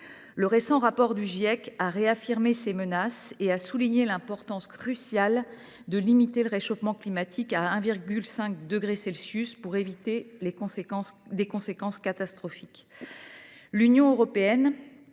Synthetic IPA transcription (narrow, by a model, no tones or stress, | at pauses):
ləʁesɑ̃ʁapɔʁd̪yʒiɛkaʁeafiʁmesemənaseasuliɲelɛ̃pɔʁt̪ɑ̃skχysjal | d̪əlimit̪eləʁeʃofmɑ̃klimat̪ʰikaɛ̃viʁɡʲylsɛ̃k̚d̪əɡʁesɛlsjyspuʁevit̪elẽ | d̪ekɔ̃sekɑ̃skat̪ast̪χɔfik | lynjɔ̃øʁɔpeɛn